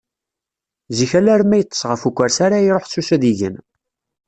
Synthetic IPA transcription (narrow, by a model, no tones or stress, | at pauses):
ziçælæɾmæjət̪ˤːə̥sˤʁəfukʷːæɾsaɾajɾˤoħsːusæðiʝə̰n